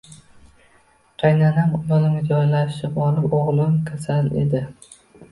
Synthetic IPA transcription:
qʰɑjnanhamj̪ɒnɪmʲad͡ʒɒjlaʃɪbɒlɪpoʁlˠɪmkʲʰasanḛd̪ɪ

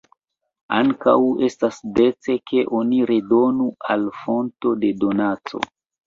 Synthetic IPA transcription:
a̰ŋka̰we̞stasde̞t͡se̞ke̞ʔo̞niɾe̞do̞nualfo̞nto̞de̞do̞nat͡so̞̰

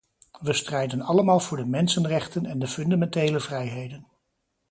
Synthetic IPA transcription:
ʋəstrɛjdənɑləmaːlˠvʊːɹdəmɛnsənrɛχtənɛndəfɵndamɛntejləvrɛjɦejdən

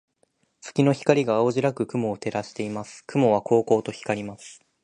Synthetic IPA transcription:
t͡sɨ̥kʲino̞çi̥kaɾʲiɡaːoʑiɾakɯ̟kɯ̟mo̞ːt̪e̞ɾaɕi̥t̪e̞imasɨ̥kɯ̟mo̞β̞akʰo̞ːko̞ːt̪o̞çi̥kaɾʲimasɨ̥

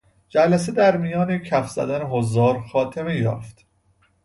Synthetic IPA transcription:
d͡ʒælæse̞d̪æɾmijɒːnecʰæfz̥æ̰d̪æneɦozɒːɾxɒːt̪ʰeme̞jɒ̰ːft̪

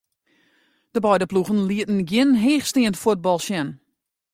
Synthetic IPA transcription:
d̥əbɔjdəpluɣənliətn̩ɡjɪnɦeːxstiəntfwud̚bɔlˠʃjɛn

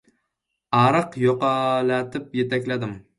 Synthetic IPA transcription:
ɑɾɨqjoqɑlat̪ʰɪpjet̪ʰakʲlad̪ɪm

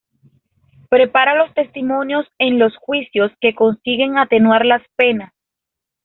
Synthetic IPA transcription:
pɾe̞paɾalo̞st̪e̞st̪imo̞njo̞se̞nlo̞sxwisjo̞ske̞ko̞nsiɣe̞ŋat̪e̞nwaɾlaspe̞nas

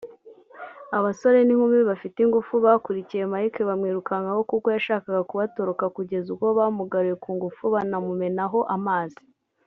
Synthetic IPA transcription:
aβaso̞ɾe̞niŋumiβafitiŋɡufuβaːkuɾicije̞majikeβamŋiːɾukaŋɡaho̞kuko̞jaʃaːkaɡakuβato̞ɾo̞kakuɟe̞zuko̞βamuɡaɾuje̞kuːŋɡufuβanamume̞naɦo̞ʔamaːzi̥

